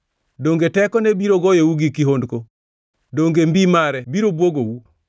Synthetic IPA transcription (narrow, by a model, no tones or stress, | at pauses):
doŋɡetɛkɔnebiɾoɡɔjowuɡikiɦondko | doŋɡembimaɾɛbiɾobwoɡowu